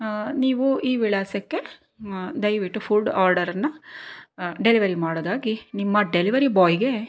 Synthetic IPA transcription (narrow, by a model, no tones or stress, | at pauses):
niːʋuiːʋiɭaːsɐkːe̞ | d̪ɐjʋiʈːupʰulɖaːɾɖɐɾɐnːɐ | ɖe̞liʋɐɾimaːɽod̪aːɡinimːɐɖeliʋɐɾibɔːjiɡe̞